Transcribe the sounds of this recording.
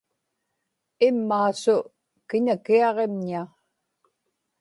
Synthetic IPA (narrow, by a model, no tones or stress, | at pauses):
ɪmːaːsʊ | kɪnakiɑʁe̞mɲia